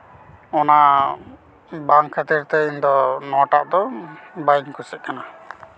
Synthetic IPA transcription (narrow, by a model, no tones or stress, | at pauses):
ɔna | baŋkʰat̪iɾt̪əind̪ɔnɔʈaʔd̪ɔbaiŋkʰusɛʔ̪̚kana